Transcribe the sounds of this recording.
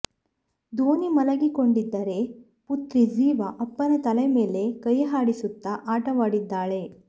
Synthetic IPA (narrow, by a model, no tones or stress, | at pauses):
d̪oːnimɐlɐɡiko̞ɳɖid̪ːɐɾe̞ | put̪ɾid͡ʒiːʋɐʔɐpːɐnɐt̪ɐleme̞ːle̞kɐjɐɦaːɽisut̪ːɐʔaːʈɐʋaːɽid̪ːaːɭe̞